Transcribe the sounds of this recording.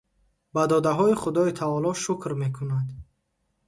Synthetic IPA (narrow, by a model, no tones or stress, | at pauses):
bad̪ɔd̪aɦɔiχud̪ɔit̪ʰavɔlɔʃukɾme̞kʰunad̪